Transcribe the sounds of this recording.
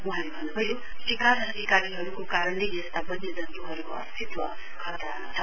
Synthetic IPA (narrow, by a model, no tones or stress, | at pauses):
muɦãnbʱʌnubʌjo | sikaɾʌd̪ʱikaɾiɦʌɾukokaɾʌnleest̪abʌnːed̪ʌnt̪uɦʌɾukoʌ̰st̪ʰit̪wʌ | kʰʌt̪aat͡sʰʌ